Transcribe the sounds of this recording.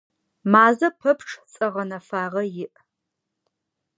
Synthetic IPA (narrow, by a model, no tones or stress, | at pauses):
maːzɐpʰɐpʰʈ͡ʂʰʼt͡sʼɐʁɐnɐfaːʁɐjɪʔ